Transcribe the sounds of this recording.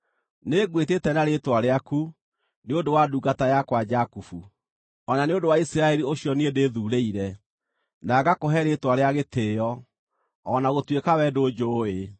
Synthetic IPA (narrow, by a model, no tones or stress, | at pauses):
neɣwetetɛnaɾetwaɾeaku | neodowaduːɡatajakwad͡ʒakufu | ɔnaneodowaisiɾaɛɾioɕjɔneedeːðuːɾeiɾɛ | naɡakoɦɛɾetwaɾeaɣetʰeːjɔ | ɔnaɣotwekawɛdoːd͡ʒoːe